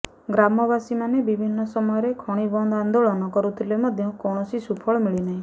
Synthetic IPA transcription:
ɡɾamɔbasimanebibʱinːɔsɔmɔjɔɾekʰɔɽ̃ibɔnd̪and̪oɭɔnɔkɔɾut̪ʰilemɔd̪ʱjɔkɔɽ̃ɔsisupʰɔɭɔmiɭinaɦĩ

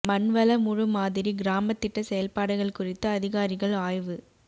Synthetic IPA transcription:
mɐnʋɐlɐmʊɻʊmaːðɪɾiɡɪɾaːmɐt̪ːɪʈːɐsɛjɐlpaːɽɯɣɐɭkʊrɪt̪ːɐːðɪɣaːɾɪɣɐɭaːjʋɯ

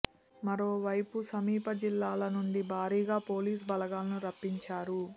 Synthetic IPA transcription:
mɐɾoːʋɐjpusɐmiːpɐd͡ʒilːaːlɐnuɳɖibʱaːɾiːɡaːpo̞ːliːs̬bɐlɐɡaːlɐnuɾɐpːiɲt͡ʃaːɾu

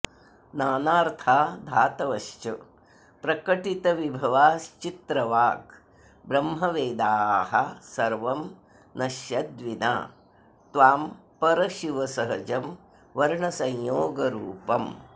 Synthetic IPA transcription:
naːnaːɾt̪ʰaːd̪ʱaːt̪ɐʋɐʃt͡ʃɐ | pɾɐkɐʈit̪ɐʋibʱɐʋaːst͡ʃit̪ɾɐʋaːk | bɾɐmɦɐʋeːd̪aːɦɐsɐɾʋɐm | nɐʃjɐd̪ʋina̰ː | t̪ʋaːmpɐɾɐʃiʋɐsɐɦɐd͡ʒɐm | ʋɐɾɳɐsɐjjoːɡɐɾuːpɐm

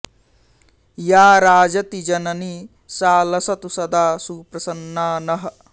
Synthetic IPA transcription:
jaːɾaːd͡ʒɐt̪id͡ʒɐnɐni | saːlɐsɐt̪usɐd̪aːsuːpɾɐsɐnːaːnɐɦ̆

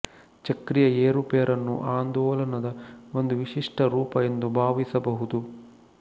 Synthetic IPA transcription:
t͡ʃɐkɾijɐeːɾupeːɾʔɐnːṵʔaːnd̪ɔːlɐnɐd̪ɐo̞nd̪uʋiʂiʂʈɐɾuːpɐjend̪ubʱaːʋisɐbɐɦud̪u

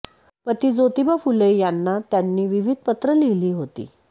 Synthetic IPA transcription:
pət̪iːd͡zot̪ibafuləijanːat̪janːiːʋiʋid̪̚ʱpət̪ɾəliliːɦot̪ḭː

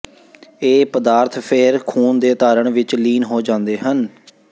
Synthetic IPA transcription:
eːpəd̪aːɾt̪ʰpʰeːɾkʰuːnd̪eːt̪aːɾəɳʋɪt͡ʃliːnɦoːd͡ʒãːnd̪eːɦən

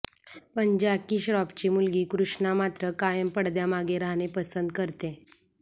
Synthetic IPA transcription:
pəɲd͡ʑakiːɕɾɔpt͡ɕimulɡiːkɾuʂɳamat̪ɾəkajəmpəɽd̪jamaɡeɾaɦnepəsənd̪kəɾt̪e

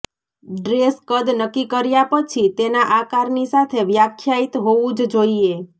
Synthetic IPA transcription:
ɖɾeskəd̪nəkːikəɾjapət͡ʃʰit̪enaʔakaɾnisat̪ʰeʋjakʰːjait̪ɦoʋũd͡ʒd͡ʒoie

